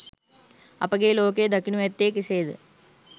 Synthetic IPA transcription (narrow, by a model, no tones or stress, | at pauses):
ɐ̰pɐɡeːloːk̬eːd̪ɐkinuʋet̪ːeːkiseːd̪ɨ